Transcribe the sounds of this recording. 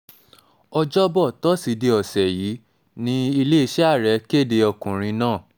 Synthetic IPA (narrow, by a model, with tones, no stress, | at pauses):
ɔ˧d͡ʒɔ˦bɔ˦˨tɔ˦si˨˧˦de˧ɔ˨sɛ˨jiː˨˦ | nĩ˦i˧le˦i˧ʃɛ˦a˦˨ɾɛ˨˦ke˦˨de˧ɔ˧kũ˨ɾ̃ĩ˧nãː˦˨